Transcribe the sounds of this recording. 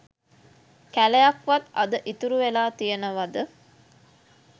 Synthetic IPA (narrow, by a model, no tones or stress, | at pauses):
kælejɐkʋɐt̪ɐd̪əʔit̪uɾuʋelaːt̪ijɐnəʋɐd̪ə